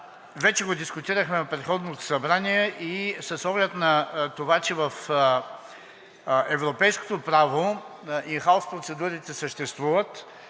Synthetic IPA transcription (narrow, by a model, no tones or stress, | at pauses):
vɛt͡ʃɛɡod̪iskʊt̪iɾəxmɛnɐpɾɛt̪xɔd̪not̪o̥sɐbɾaniɛʔisɐsɔɡlʲɛt̪nɐt̪ovat͡ʃɛvɐf | ɛvɾopɛjsko̥t̪opɾavoinxaʊspɾot̪sɛd̪uɾit̪ɛsəʃt̪ɛst̪vuvət̪